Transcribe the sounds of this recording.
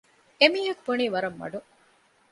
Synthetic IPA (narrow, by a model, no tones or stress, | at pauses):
emiːɦɐkubɐniːʋɐɾɐmːɐ̰ɖu